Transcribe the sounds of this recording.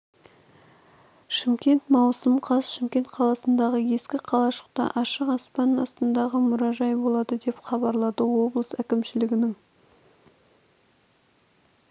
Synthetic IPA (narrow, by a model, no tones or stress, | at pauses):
ʃɪmkʲe̞nt̪mɑwsəmqʰɑsʃɪmkʲe̞nt̪qʰɑlˠɑsənd̪ɑʁəje̞skʲɪqʰɑlˠɑʃə̥q̚t̪ɑ̰ʔɑʃəqɑspɑnɑ̰st̪ənd̪ɑʁəmʊɾɑʒɑjbo̞lˠɑd̪əd̪e̞pχɑbɑɾlˠɑd̪əwo̞blˠəsækʲɪmʃɪlɪɡʲɪnɪŋ